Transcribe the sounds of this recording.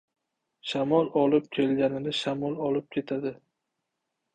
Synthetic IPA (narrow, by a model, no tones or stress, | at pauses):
ʃamɒlˠɒlɪp̚kʲʰe̞lɡʲanɪnɪʃamɒlˠɒlɪp̚kʲʰe̞t̪ʰad̪ɪ